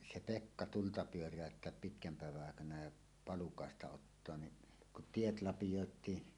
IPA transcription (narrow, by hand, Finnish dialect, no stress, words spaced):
se pekːɑ tultɑ pyørˑæˑøtːeæp pitkæm pæˑeʋæʔ ʔɑˑekɑnɑ jɑ pɑlukɑˑestɑ otːoɑn ni kuʔ tiet lɑpijoˑetˑiː